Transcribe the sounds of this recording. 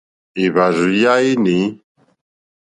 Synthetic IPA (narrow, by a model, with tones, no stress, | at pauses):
e˨βa˨zu˨ja˦i˦ne˨˦